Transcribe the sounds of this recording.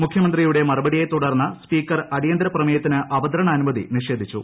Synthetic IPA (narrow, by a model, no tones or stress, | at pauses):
mukʰjɐmɐnd̪rijuɽe̞mɐrɐbɐɽije̞t̪uɽɐrnːɐspiːkːɐrɐɽijɐnd̪ɾɐprɐmɐjɐt̪ːinɨʔɐbɐd̪ɐɾɐɳɐːnumɐðḭniʂe̞ːd̪ʱit͡ɕːṵ